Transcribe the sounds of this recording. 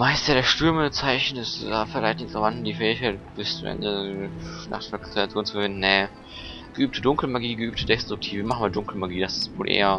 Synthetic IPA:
maɪstjadeːɐʃtʏɐmət͡saɪçn̩ɪsafɪlaɪçtnɪçtʁ̥avantn̩diːfɛːɪçkʰaɪt̚ːb̥ɪst͡sʊmʔɛ̰ndə | na̰χtfɛkʁeat͡sjoːnt͡sfɐvɪndn̩nɛ | ɡ̥əʔyːp̚tʰədʊŋkl̩maɡiːɡəʔyːp̚tʰədɛstʁ̥ʊk̚tʰiːvəimaχn̩maːldʊŋkl̩maɡiːdasɪ̥stvoːlʔḛːɐ

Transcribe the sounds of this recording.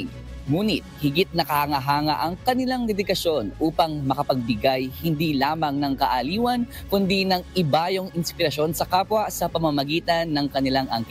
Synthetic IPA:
ŋuːnɪt̪̚hɪɡɪt̪̚nɐkɐhɐŋɐɦaːŋɐ̰ʔɐŋkɐnɪlaŋd̪ɛd̪ɪkɐʃo̞nʔuːpɐŋmɐkɐpɐɡ̚bɪɡajhɪnd̪ilaːmɐŋnɐŋkɐʔɐliːwɐn | kʊnd̪inɐŋʔɪbaːjoŋɪnspɪɾɐʃo̞nsɐkaːpwɐsɐpɐmɐmɐɡiːt̪ɐnːɐŋkɐnɪlaŋʔɐŋk

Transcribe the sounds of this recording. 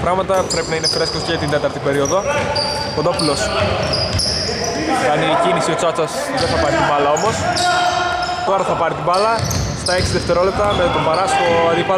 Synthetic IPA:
pɾɐɣmɐt̪ɐpɾe̞pinɐine̞fɾe̞sk̪osceʝɐt̪ind̪e̞t̪ɐɾt̪ipe̞ɾio̞ðo̞ | kond̪opulos | ɐnicinisio̞t͡sɐt͡sɐs | ðeθɐpɐɾit̪ibɐlɐo̞mo̞s | t̪o̞ɾɐθɐpɐɾit̪ibɐlɐ | st̪ɐeksiðeft̪e̞ɾo̞le̞p̚t̪ɐmet̪obɐɾɐst̪o̞ɐðipɐ

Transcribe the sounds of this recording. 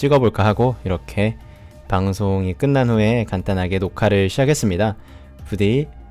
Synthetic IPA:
t͡ɕ͈iɡʌboɭk͈aɦaɡoiɾʌkʰe̞ | paŋsʰoŋik͈ɯnːanɸue̞kant͈anɦaɡe̞nokʰaɾɯɭɕʰid͡ʑake̞s͈ɯmɲida | pudei

